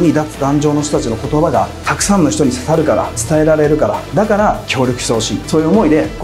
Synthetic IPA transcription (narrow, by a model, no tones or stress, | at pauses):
ɲ̟id̪at͡sɨ̥d̪ãɲ̟d͡ʑo̞ːno̞çt̪ot̪ːat͡ɕino̞ko̞t̪o̞baɡa̰t̪akɯ̟̥sãnːo̞çi̥t̪o̞ɲ̟isḁsaɾɯ̟kaɾa̰t͡sɨ̥t̪ae̞ɾaɾe̞ɾɯ̟kaɾa̰d̪akaɾakʲo̞ːɾʲjo̞kɯ̟ɕit̪eɦo̞ɕḭːso̞ːjɯ̟omo̞id̪e̞